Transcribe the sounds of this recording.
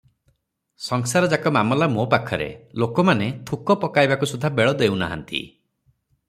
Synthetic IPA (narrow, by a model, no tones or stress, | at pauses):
sɔŋsaɾɔd͡ʒakɔmamɔlamopakʰːɔɾḛlokɔmanet̪ʰukɔpɔkajbakusud̪ʱːabeɭɔd̪ewna̰ɦa̰nt̪ḭ